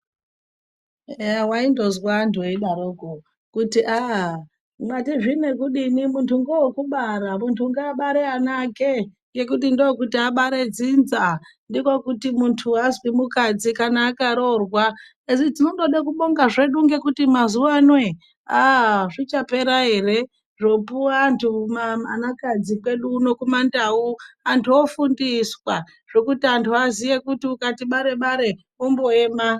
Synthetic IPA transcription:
waindo̞zwandweiɗaɾoɡo | kutiʔa | matiʐinekuɗinimuntʰuŋɡewokuɓaɾamuntʰuŋɡaːɓaɾeanake | ŋɡe̞kutindokutiaɓaɾe̞d͡zinzandikokutimuntʰuazwimukad͡zikanaːkaɾo̞rwa | eʐid͡zinondo̞ɗakuɓo̞ŋɡaʐe̞ɗuŋɡe̞kutimazuʋanwe | aʐit͡ʃape̞ɾaɦe̞re̞ | ʐo̞puaːntʰumaanakad͡zikwe̞ɗuːno̞kumandauantʰuofundiswa | ʐ̥o̞kutiantʰuazije̞kutiukatiɓaɾe̞ɓaɾe̞ | umbo̞e̞ːma

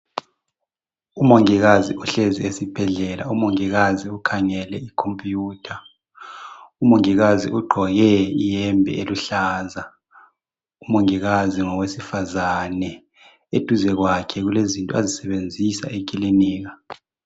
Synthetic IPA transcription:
umoŋiɣaziʔuɬeziesib̥ʱɛɮɛla̰umoŋiɣaziukʰaŋɛlɛikʰompʼjuːtʰa | umoŋiɣazḭʔuɡ͡ǃʱɔɣɛijɛmbʱɛ̰eluɬaːza | umoŋiɣaziŋɔwesifazanɛ | ed̥ʱuzɛɣwakʰɛɣulezintʼazisɛβend͡zʱisa̰ʔekʼiliniːɣa

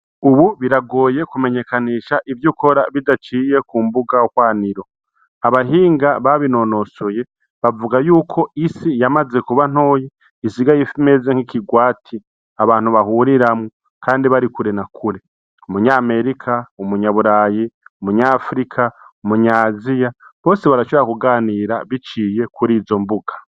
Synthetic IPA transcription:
uβuβiɾaɡo̞ːje̞kume̞ɲe̞kaniːʃaʔivjuko̞ɾa̰βidat͡ʃiːje̞kuːmbuɡaokwaːniɾo̞ | aβaɦiːŋɡaβaβino̞no̞soje̞ | βavuɡajuːkʰo̞isijamaze̞kuβan̥o̞ːje | isiɡajifime̞zeŋhikiɡwaːtʰi | aβaːn̥huβahuɾiɾamŋo | kaːndiβaɾikuɾe̞nakʰuɾe̞ | umuɲaːme̞ɾikʰaumuɲaβuɾaːjiumuɲaːfɾikʰaumuɲaːzijaβo̞ːse̞βaɾaʃoeɾakuɡaːniːɾa̰βit͡ʃije̞kʰuɾiːzo̞mbuɡ̥ḁ

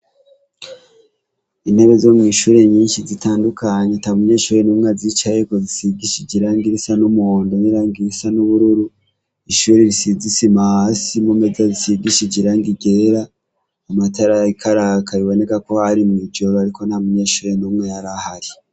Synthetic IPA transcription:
ineβezomŋiːʃuːɾe̞ɲiːnʃizitaːndukaɲetaβumuɲeːʃuːɾe̞numŋazit͡ʃajeko̞zisiɡiʃiɟiɾaŋɡiɾisanumondoniɾaːŋɡiɾisanuβuɾuɾu | iʃuɾeɾisizisimahasimumezazisiɡiʃiɟiɾaŋɡiɡe̞ɾaː | mataɾaikʰaɾakʰaiβo̞ne̞kako̞haɾimŋid͡ʒoɾoaɾiko̞nhamuɲeːʃuːɾe̞numŋejaɾahaɾi

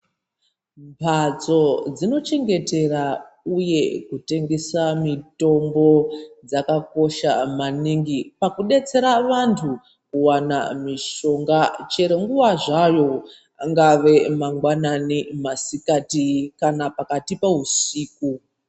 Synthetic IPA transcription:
mpʰat͡so̞d͡zino̞t͡ʃe̞ŋɡe̞te̞ra | uje̞kute̞ŋɡe̞samito̞mbo̞d͡zakako̞ʃa̰maniŋɡipakuɗe̞t͡se̞ɾaʋantʰu | kuwana̰miʃo̞ŋɡat͡ʃe̞ɾeŋɡuʋaʐajo̞ | aŋɡaʋe̞maŋɡwananimasikatikanapakatipausiːku

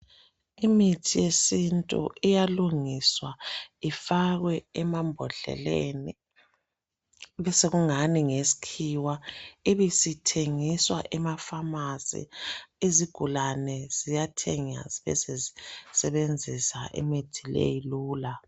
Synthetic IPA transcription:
imitʰijesintʼṵʔijaluŋiswaifaɣwɛɛmambʱɔɮɛ̰lḛːni | βɛseɣuŋaniŋesi̥kʰiwaiβisitʰeŋiswa̰ʔɛmafamasḭiziɡ̥ʱulanɛz̥ijatʰɛŋa̰ziβɛ̰sezisɛβend͡zʱisa̰ʔḭmitʰilḛjiluːla

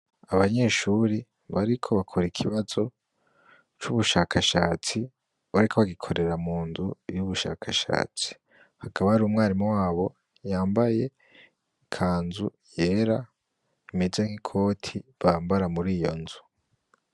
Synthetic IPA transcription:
aβaɲe̞ːʃuɾi | βaɾikʰo̞βakʰoɾikʰiβazo̞ | t͡ʃuβuʃaːkʰaʃaːt͡si | βaɾikʰo̞βaɡikʰo̞ɾe̞ɾamuːnzujuβuʃa̰ːkʰaʃa̰ːt͡si̥ | hakʰaβaaɾuːmŋaːɾimwaːβo̞ | jaːmbaje̞ | kʰaːnzu | je̞ːɾa | imezeŋikʰo̞ːtʰiβaːmbaɾamuɾiːjo̞nzu

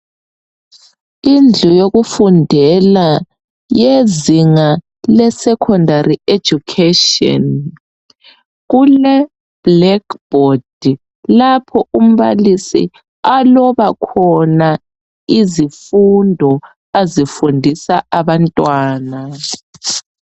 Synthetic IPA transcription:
ind͡ɮʱujoɣufundʱɛla | jeziŋa | lɛsɛkʰɔndʱarie̥d͡ʒ̥ukʰetiɔ̰n | ɣulɛ | b̥lɛkb̥ʱod̥ʱi | lapʰɔum̩βa̰lisḭ | alɔβakʰɔna | izifundʱɔ | azifundʱisaʔaβantʼwaːna

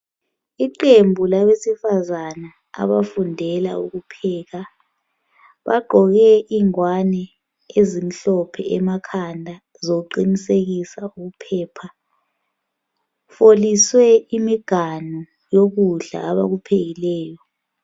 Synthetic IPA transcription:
iǃembʱulaβesifazana | a̰βafundʱɛla̰ṵɣupʰɛːɣa | βa̰ɡ͡ǃʱɔɣɛʔiŋwanɛ | ezim̩ɬɔpʰɛ̰ɛmakʰandʱa | zouǃiniseɣisauɣupʰɛːpʰa | foliswɛimiɡ̥ʱanɔ | joɣuɮa̰ːβaɣupʰeɣilɛːjɔ

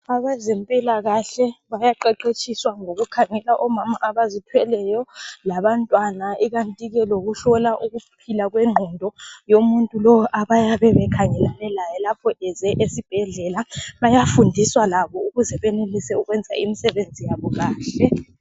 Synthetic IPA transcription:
aβazɛmpʼilaɣaɬɛβajaǃɛǃet͡ʃʰʼiswaŋoɣukʰaŋɛlaʔɔmamaʔaβazitʰwɛlɛjɔlaβantʼwanaiɣantʼiɣɛloɣuɬɔlaʔuɣupʰilaɣweŋ͡ǃʱɔndʱɔjomuntʼulɔwɔʔaβajaβɛβɛkʰaŋɛlanɛlajɛlapʰɔʔɛzɛʔesib̥ʱɛɮɛlaβajafundʱiswalaβɔuɣuzɛβenulisɛuɣwɛnd͡zʱa̰imisɛβend͡zʱijaβɔɣaːɬɛ

